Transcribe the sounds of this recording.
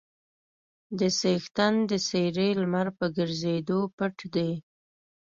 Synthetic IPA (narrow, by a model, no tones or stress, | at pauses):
d̪əsext̪and̪əseɾelmaɾpəɡəɾzed̪opəʈd̪e